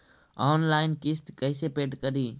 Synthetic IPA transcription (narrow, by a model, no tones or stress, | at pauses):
ɔːnlaːɪnkɪst̪kəɪseːpeːʈkəɗ̪iː